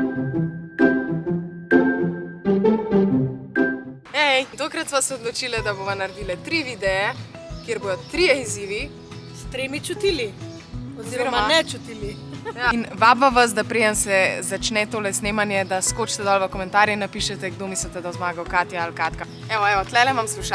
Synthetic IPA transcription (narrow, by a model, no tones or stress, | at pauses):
ɛt̪okɾɐt̪sʋasɛod̪lɔt͡ʃilɛd̪aboʋanaɾɛd̪ilɛt̪ɾiʋid̪ɛɛ | keɾbojɔt̪ɾijɛiziʋi | st̪ɾemit͡ʃut̪ili | ɔziɔɾmanɛt͡ʃut̪ili | jainʋabʋaʋas̬d̪apɾed̪ɛnsɛzat͡ʃnɛt̪oːlɛsnemanjɛd̪askot͡ʃt̪ɛd̪ɔlʋɐkɔmɛ̃nt̪aːɾjɛnapiʃɛt̪ɛɡd̪omislit̪ɛd̪azmaːɡɐwkat̪jaalkat̪ka | ɛʋɔɛʋɔt̪lɛlɛmamsluʃa